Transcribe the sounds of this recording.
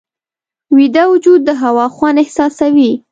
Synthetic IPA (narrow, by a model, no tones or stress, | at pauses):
wid̪awʊd͡ʒud̪̚ːəɦawɑxwanɪhsɑsawi